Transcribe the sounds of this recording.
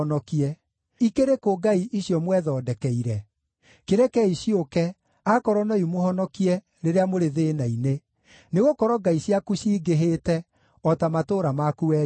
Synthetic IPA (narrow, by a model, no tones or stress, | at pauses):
nɔkiɛ | ikeɾekoɡaiʔiɕjɔmwɛðɔdɛkɛiɾɛ | keɾɛkɛiɕiokɛ | akɔɾɔnaumohɔnɔkiɛ | ɾeɾeamoɾeðenaine | neɣokɔɾɔɡaiɕjakuɕiːɡeɦetɛ | ɔtamatoɾamakuɛ